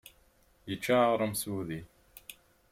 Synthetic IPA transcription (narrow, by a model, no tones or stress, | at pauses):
jɪt͡ʃʰaːʁɾəmsuːði